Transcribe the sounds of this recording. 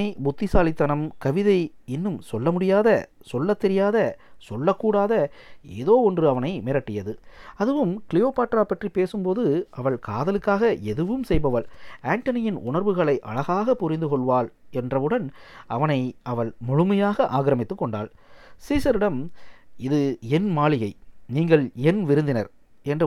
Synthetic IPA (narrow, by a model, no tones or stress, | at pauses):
ɐɪbʊt̪ːɪsaːlɪt̪ːɐnɐmkɐʋɪðɐɪ | ɪnːɯmsɔlːɐmʊɽɪjaːðɐ | sɔlːɐt̪ːɛɾɪjaːðɐsɔlːɐkːuːɽaːðɐeːðoːɔndrɯɐʋɐnɐɪmɪɾɐʈːɪjɐðɯɐðɯʋɯmkɪlɪjoːpaːʈːɾaːpɐʈripeːsɯmpoːðɯɐʋɐɭkaːðɐlɯkːaːɣɐʔɛðɯʋɯmsɛjbɐʋɐɭaːɳʈɐnɪjɪnʊɳɐɾʋɯɣɐɭɐɪʔɐ̰ɻɐɣaːɣɐpːʊɾɪnd̪ɯkɔɭʋaːlɛndrɐʋɯɽɐnɐʋɐnɐɪɐʋɐɭmʊɻʊmɐjaːɣɐʔaːɣɪɾɐmɪt̪ːɯkːɔɳɖaːl | siːsɐɾɪɽɐmɪðɯɛnmaːɭɪɣɐɪniːŋɡɐɭɛnʋɪɾɯnd̪ɪnɐɾ | ɛndr